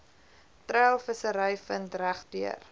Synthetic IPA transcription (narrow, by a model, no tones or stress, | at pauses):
træːlˠfəsəɾəjfəntræχdyə̰r